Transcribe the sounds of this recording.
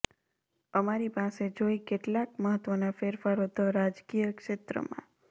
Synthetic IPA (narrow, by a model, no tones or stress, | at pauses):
əmaɾipased͡ʒoikeʈlakməɦət̪ʋənafeɾfaɾod̪ʰʱəɾad͡ʒkijəkʃet̪ɾə̰mã̰